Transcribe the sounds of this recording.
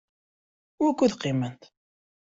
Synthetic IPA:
ækʷːuðqːimənt̪

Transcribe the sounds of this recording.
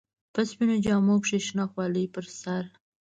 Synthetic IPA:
paspinod͡ʒɑmopʂeʃnɑxwɑləjpəɾsaɾ

